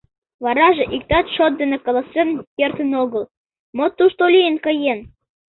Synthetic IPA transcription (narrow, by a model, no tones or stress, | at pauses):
βɑɾɑʒĕʔik̚t̪ɑt̪ʃot̪̚d̪ĕnĕkolosĕrnkert̪ə̆noɣɤ̆l | mot̪ːuʃt̪olʲijənkɤ̆jen